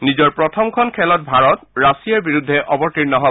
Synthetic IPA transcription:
nizɔɹpɹɔtʰɔmkʰɔnkʰɛlɔt̚bʱaɹɔtɹasijaɹbiɹudʱːɛʔɔbɔɹtiɹnɔɦɔ

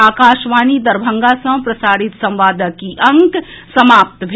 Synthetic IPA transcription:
aːkaːʃʋaːnid̪ɐɾbʱə̃ŋɡasɐ̃pɾɐsaːɽit̪sɐ̃mʋaːd̪əkiʔɐ̃ŋksɐmaːp̚t̪bʱ

